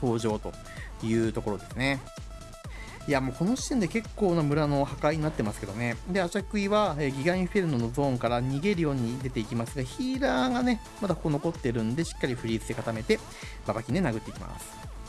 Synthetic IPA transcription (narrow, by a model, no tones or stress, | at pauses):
t̪o̞ːʑo̞ːt̪o̞ | jɯ̟ːt̪o̞ko̞ɾo̞d̪e̞sɨne̞ | iamoːko̞noɕi̥t̪end̪e̞ke̞kːo̞ːnomɯ̟ɾano̞hakaiɲ̟inat̪ːe̞masɨ̥ke̞d̪o̞ne̞d̪e̞at͡ɕakɯ̟iβaeːɡʲiɡãɰ̃iɸpeɾɯ̟nd̪o̞no̞zõ̞ːŋkaɾaɲ̟iɡe̞ɾɯ̟jo̞ːɲ̟id̪e̞t̪e̞ikʲimasɨɡaçiːɾaːŋane̞ | mad̪akokono̞ko̞t̪ːe̞ɾɯ̟̃nd̪e̞ɕi̥kːaɾʲiɸɯ̟ɾʲiːt͡sɨd̪e̞kat̪ame̞t̪e̞ | babakʲine̞naɡɯ̟t̪ːeikʲimʔa̰sɨ̥